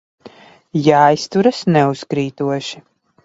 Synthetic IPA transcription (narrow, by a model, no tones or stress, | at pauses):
jaːjst̪uɾɐsnɛuskɾiːt̪uɔʃi